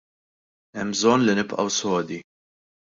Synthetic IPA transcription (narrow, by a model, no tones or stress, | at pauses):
ɛmːbzɔnːlinɪpʔɐ̰wsɔːd̪i